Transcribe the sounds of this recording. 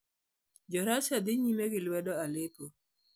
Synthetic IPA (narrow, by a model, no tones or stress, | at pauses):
d͡ʒɔɾat͡ʃad̪ɪɲimeɡɪlwɛdɔalepo